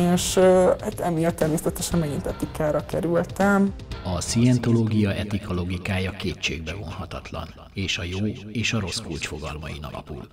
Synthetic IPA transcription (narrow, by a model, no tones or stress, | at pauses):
eːʃhat̪ɛmijɒt̪ːɛrmeːsɛt̪ɛʃɛnmɛɡint̪ɛt̪ikaːɾɒkɛɾylt̪ɛmɒsiɛnt̪o̞loːɡijɒʔɛt̪ikɒlo̞ɡikaːjɒkeːt͡ʃːḛːɡ̚bɛvo̞nɦɒt̪ɒt̪lɒ̰n | eːʃɒjoːeːʃɒɾo̞skult͡ʃfo̞ɡɒ̰lmɒḭnɒ̰lɒ̰pṵl